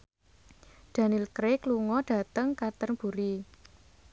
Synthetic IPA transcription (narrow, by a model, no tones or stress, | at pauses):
d̪̥a̤nilkɾekluŋɔɖ̥ä̤t̪əŋkat̪ərb̥uɾi